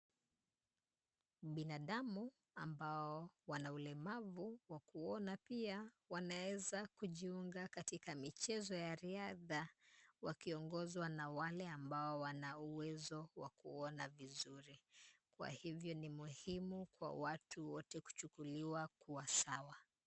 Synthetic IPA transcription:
ɓinaɗamu | ambaɔwanaulɛmavuwakuɔnapia | wanawɛzakuʄiuŋɡakatikamit͡ʃɛzɔjaɾiaðawakiɔŋɡɔzwanawalɛambaɔwanauwɛzɔwa̰kuɔnavizuɾikwa̰hivjɔnimuhimukwa̰watʰuwɔtɛku̥t͡ʃukuliwakuwasawa

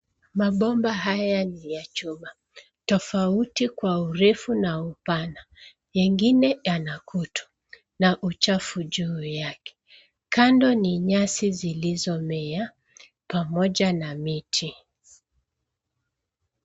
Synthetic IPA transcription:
maɓɔmbaɦajanijat͡ʃuma | tɔfautikwauɾɛfunaupana | jɛŋɡinɛjanakʰutʰu̥ | naʔut͡ʃafuʄuːjakɛ̥ | kandɔniɲasizilizɔmɛa | pamɔʄanamitʰi

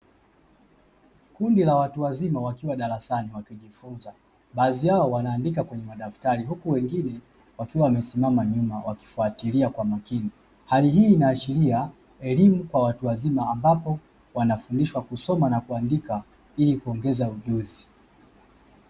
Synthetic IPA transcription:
kundilawatuwazimawakiwaɗaɾasaniwakiʄifunza | ɓaziaɔwanaːndik̬akwɛɲɛmaɗaftaɾiɦukuwɛŋɡinɛ | wakiwawmɛsimamaɲumawaki̥fuatiliakwamakini | haliɦiːnaːt͡ʃilia | ɛlimukwawatuwazimaːmbapɔ | wanafundiʃwakusɔmanakuandika | ilikuɔŋɡɛzauʄuzi

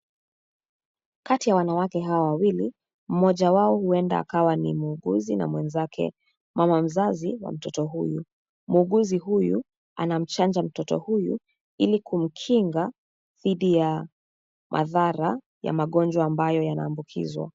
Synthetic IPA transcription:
katijawanawakɛɦaɔwawili | m̩mɔʄawaɔhuɛnda̰ːkawanimuːɠuzina̰mwɛnzakʰɛ̰ | mwamam̩zaziwa̰m̩tɔtɔɦuju | muːɠuziɦujṵ | a̰nam̩t͡ʃand͡ʒam̩tɔtɔ̰huju | ilikʰum̩kʰiŋɡa | ðiɗija | mʔa̰ðaɾa | ja̰maɠɔnd͡ʒwaːmbajɔjana̰ːmbukʰḭzwa̰

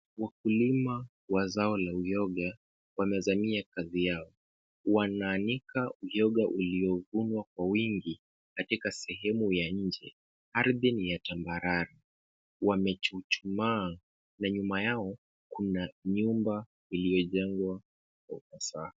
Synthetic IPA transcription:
wak̚ulima | wazaɔlaujɔɠa | wamɛzamiakazijaɔ | wanaːnikʰaʔujɔɠaʔuliɔvunwakwawiŋɡi | katikasɛɦɛmujaɲ̩d͡ʒɛ | aɾðinijatambaɾaɾi | wamɛt͡ʃut͡ʃuma | naɲumajaɔ | kunaɲumba | ilijɔʄɛŋɡwa | kaufasa

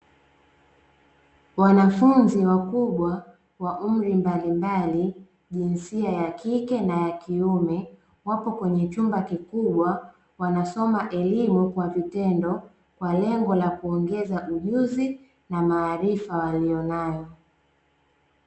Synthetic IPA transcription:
wanafunziwakuɓwa | waʔum̩ɾimbalimbali | ʄinsiajakikɛnajakiumɛ | wapɔkwɛɲɛt͡ʃumbakikuɓwa | wanasɔmaʔɛlimukwavitɛndɔ | kwalɛŋɡɔlakuɔŋɡɛzaʔuʄuzi | namaːɾifawalijɔnajɔ

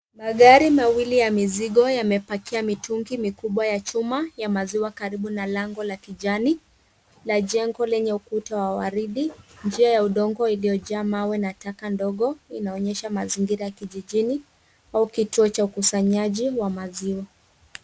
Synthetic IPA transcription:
maɠaɾimawilijamiziɠɔjamɛpakiamituŋɡimikuɓwajat͡ʃumajamaziwakaɾiɓunalaŋɡɔlakiʄani | laʄɛŋɡɔlɛɲɛukutawawaɾiɗind͡ʒiajauɗɔŋɡɔilijɔʄaːmawɛnatakandɔɠɔinaɔɲɛʃamaziŋɡiɾajakiʄiʄini | aukituɔt͡ʃaukusaɲaʄiwamaziwa

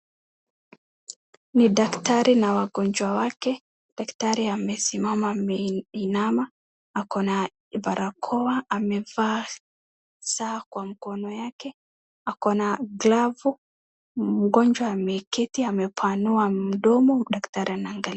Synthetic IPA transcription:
niɗaktaɾinawaɡɔnd͡ʒwawakɛ | daktaɾiamɛsimamainama | akɔna | baɾʔakʰɔwaamɛvaː | saakwam̩kɔnɔjakɛ | akɔnaɡlavu | m̩ɡɔnd͡ʒwaːmɛkitiamɛpʰanuam̩ɗɔmɔɗaktaɾianaŋɡal

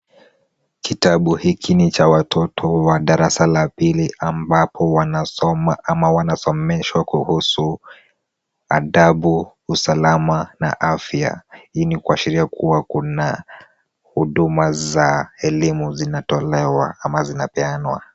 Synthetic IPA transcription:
kitaɓuhikʰinit͡ʃawatʰɔtʰɔwaɗaɾasalapiliʔambapʰɔwanasɔmaʔamawanasɔmɛʃwakuhusu | aɗaɓuː | salamana̰ʔafja̰inikuaʃiɾiakuwakuna | huɗumazaɛlimuzinatɔlɛwaʔamazinapɛanwa̰

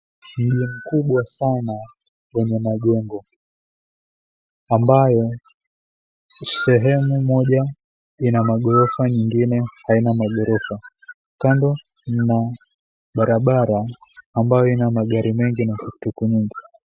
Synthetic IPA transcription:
m̩ʄim̩kuɓwasana | wɛɲɛmaʄɛŋɡɔ | ambajɔ | sɛɦɛmumɔʄa | inamaɠɔɾɔfaɲiŋɡinɛhainamaɡɔɾɔfa | kandɔ | n̩na | ɓaɾaɓaɾaːmbajɔinamaɠaɾimɛŋɡinat͡ʃutukuɲiŋɡi

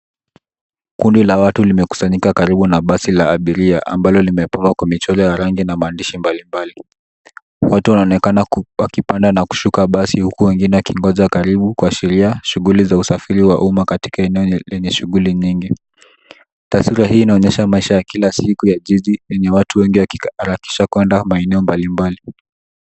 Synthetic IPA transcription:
kundilawatulimɛku̥saɲikakaɾiɓunaɓasilaːɓiɾiaʔa̰mbalɔlimɛpɔmakwamit͡ʃɔlɔjaɾaŋɡinamaːndiʃimbalimbali | wʔatuwanaɔnɛkanawakipandanaku̥ʃukaɓasihukuwɛŋɡinɛwakiŋɡɔzakaɾiɓukwaʃiɾiaʃuɣulizausafiɾiwaʔumakati̥kaɛnɛɔjɛɲɛʃuɣuliɲiŋɡi | tasiɾaɦiːnaɔɲɛʃamaiʃajakilasikujaʄiʄijɛɲɛwatuwɛŋɡiwakihaɾaki̥ʃakwɛndamaɛnɛɔmbalimbali

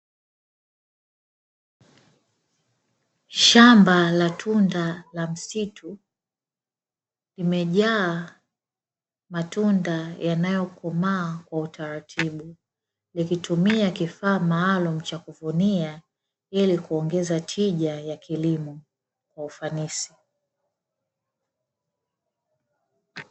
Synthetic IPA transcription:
ʃambalatʰundalam̩sitʰu | limɛʄaː | matundajanajɔkʰɔmaːkwautaɾatʰiɓu | likitumiakifaːmaːlum̩t͡ʃakuvunia | ilikuɔŋɡɛzatʰiʄajakʰilimɔ | kwaufanisi̥

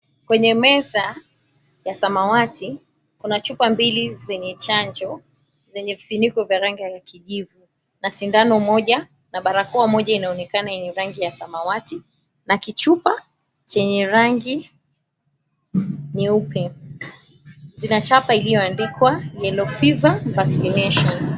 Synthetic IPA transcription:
kwɛɲɛmɛza | jasamawatʰi | kunat͡ʃupambilizɛɲɛt͡ʃand͡ʒɔ | zɛɲɛvifinikɔvjaɾaŋɡajakʰiʄivu | nasindanɔmɔʄa | naɓaɾakɔamɔʄainaɔnɛkanajɛɲɛɾaŋɡijasamawati | nakit͡ʃupa | t͡ʃɛɲɛɾaŋɡi | niupɛ | zinat͡ʃapailijɔandikwajɛlɔfivavaksinɛʃɔn

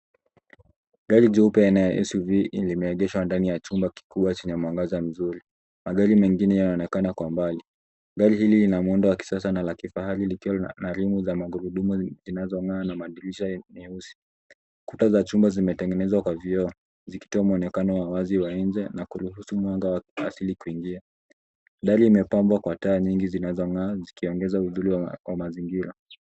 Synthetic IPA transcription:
ɠaɾid͡ʒɔupɛɛnajaʔɛ̰suvilimɛɛʄɛʃwandanijat͡ʃumbaki̥kuɓwat͡ʃɛɲɛmwaŋɡazam̩zuɾi | maɠaɾimɛŋɡinɛjanaɔnɛkanakwambali | ɡaɾiɦililinamɔndɔwaki̥sasanalakifaɦaɾilikiwanaɾimuzamaɡuɾuɗumuzinazɔŋaːnamaɗiliʃaniusi̥ | kutazat͡ʃumbɔzimɛtɛŋɡɛnɛzwakwaviɔa | ziki̥tɔamuɔnɛkanɔwawaziwaind͡ʒɛnakuɾuɦusumwaŋɡawaa̰silikuiŋɡia | ɗaɾiːmɛpambwakwataːɲiŋɡizinazɔŋaːzikiɔŋɡɛzauzuɾiwwamaziŋɡiɾa

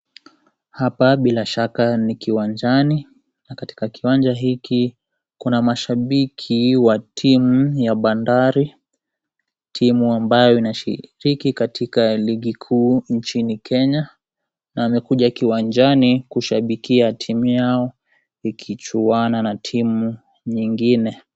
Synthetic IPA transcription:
hapaɓilaʃakanikiwand͡ʒani | nakati̥kakiwand͡ʒaɦikʰi | kunamaʃaɓikʰiwatʰimujaɓandaɾi | tʰimuambajɔinaʃḭɾikikatʰikaliɠikʰuːnt͡ʃinikʰɛɲa | naːmɛkuʄakiwand͡ʒanikuʃaɓikiatʰimujaɔ | ikʰit͡ʃuananatʰimu | ɲiŋɡinɛ

